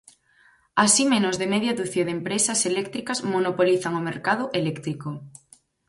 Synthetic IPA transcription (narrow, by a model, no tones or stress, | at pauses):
asimẽnozðemeðjad̪uθjeðempɾesaselɛk̚t̪ɾikasmonopoliθaŋomeɾkað̞ʊʔelɛkt̪ɾiko